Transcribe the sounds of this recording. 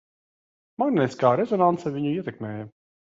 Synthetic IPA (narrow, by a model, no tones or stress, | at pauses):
mɑnnɛskɑːɾɛzonant̪t͡s̪ʰɛviɲʲujɛt̪ɛkmɛːjɛ